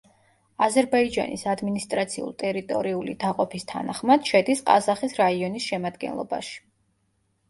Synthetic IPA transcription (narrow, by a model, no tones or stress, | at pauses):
azɛɾbaid͡ʒa̰nʔisad̪minist̪ʼɾat̪sʰiṵlˠt̪ʼɛɾit̪ʼɔ̰ɾiulid̪aqʼɔpʰist̪ʰa̰naχmad̪̥ʃɛd̪isqʼa̰zaχisɾaiɔnisʃɛmad̪ɡɛ̰nlˠɔ̰ba̰ʃi̥